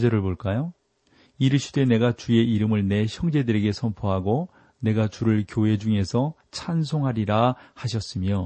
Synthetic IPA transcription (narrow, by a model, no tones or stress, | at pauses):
d͡ʑʌɾɯɭboɭk͈ajo | iɾɯɕʰi̥dwe̞ne̞ɡat͡ɕue̞iɾɯmɯɭne̞ɕʰjʌŋd͡ʑe̞dɯɾe̞ɡe̞sʰʌmpʰoɦaɡo | ne̞ɡat͡ɕuɾɯɭkjoɦe̞d͡ʑuŋe̞sʰʌ | t͡ɕʰans̬ʰoŋɦaɾiɾahaɕ̬ʰʌs͈ɯmjo